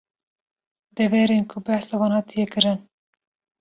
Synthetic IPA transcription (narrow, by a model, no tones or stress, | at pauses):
d̪ɛvɛɾenkʰʊbæhsɑːwɑːnhɑːt̪ʰijɛkɨɾɨn